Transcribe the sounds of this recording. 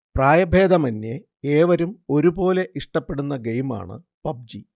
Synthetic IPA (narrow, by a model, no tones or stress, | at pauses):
praːjɐbʱe̞ːd̪ɐmɐnːe | eːʋɐɾumo̞ɾubo̞ːle̞ʔiʂʈɐpːe̞ɽunːɐɡejma̰ːɳɨ̰ | pɐb̚d͡ʑi